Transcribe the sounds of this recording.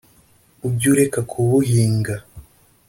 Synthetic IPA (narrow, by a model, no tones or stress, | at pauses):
ubɟuɾekakʰuβuɦiːŋɡa